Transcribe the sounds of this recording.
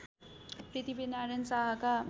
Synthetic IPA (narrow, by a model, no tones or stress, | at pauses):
pɾit̪ibenaɾensaɦaka